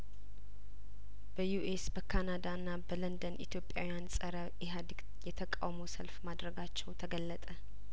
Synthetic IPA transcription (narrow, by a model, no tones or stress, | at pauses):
b̥əjuʔesbəkʰanad̪aɨnːabələnd̪ənʔḭt̪ʰjo̞pʼja̰wijansʼəɾə | iɦad̪iɡ | jɛt̪ʰəkʼa̰wməwsəlfmad̪ɾəɡat͡ʃːɛwt̪ʰəɡəlːət̪ʼə